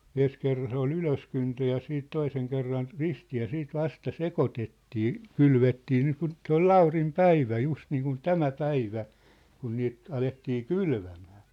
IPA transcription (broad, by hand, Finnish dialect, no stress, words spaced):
en̞s kerːɑn se ol yløskyntø jɑ siːt toiseŋ kerːɑn ristiː jɑ siːt ʋɑstɑ sekotetːiː kylʋetːiː niːkun se ol l̥ɑurim pæiʋæ just niːkun tæmæ pæiʋæ kun niːt ɑletːiː kylʋæmæ̥ː